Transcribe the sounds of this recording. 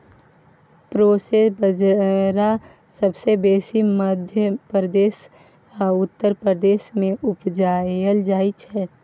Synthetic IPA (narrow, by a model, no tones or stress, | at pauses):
pɾoːsesbəd͡ʒɾa | səbsebeːsiməd̪ʱjəpɾəd̪eːs | ʊt̪ːəɾpɾəd̪eːʃmẽʔʊpd͡ʒaːəld͡ʒaːit͡ʃʰɛː